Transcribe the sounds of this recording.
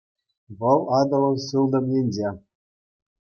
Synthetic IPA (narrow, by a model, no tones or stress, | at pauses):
ʋɤ̆lˠɑd̪ɤ̆lˠɤ̆wɕɯlˠd̪ɤ̆mjʲenʲd͡ʑe